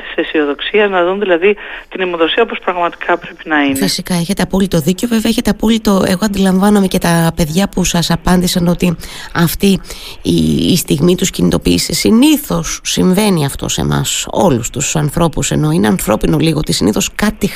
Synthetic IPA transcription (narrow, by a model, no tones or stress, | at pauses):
t̪i̥sesio̞ðo̞ksiɐznɐðunðilɐðit̪inimoðo̞siɐopo̞spɾɐɣmɐt̪i̥kʰɐpɾe̞pinɐifisikɐe̞çe̞t̪e̞ɐpolit̪o̞ðiceo̞ve̞veɐeçe̞t̪e̞ɐpolit̪o̞e̞ɣo̞ɐnd̪ilɐɱvɐnɐme̞ce̞t̪ɐpe̞ðʝɐpusɐsɐpɐnd̪isɐno̞t̪iɐft̪i | st̪iɣmit̪uscinit̪o̞piːsisiniθo̞sːiɱve̞niɐft̪o̞̰sḛmʔɐ̰so̞̰lust̪usɐnθɾo̞puse̞̰no̞ine̞ɐnθɾo̞pinoliɣot̪isiniθo̞skɐt̪i